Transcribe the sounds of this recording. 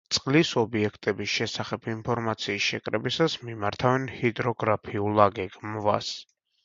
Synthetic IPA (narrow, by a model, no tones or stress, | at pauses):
t̪sʼqʼlisɔbiɛkʰt̪ʼɛbisʃɛsaχɛbʰimpʰɔɾmat̪sʰiːsʃɛ̰kʼɾɛbisasmimaɾt̪ʰavɛnhid̪ɾɔɡɾapʰiulˠaɡɛɡʼmva̰s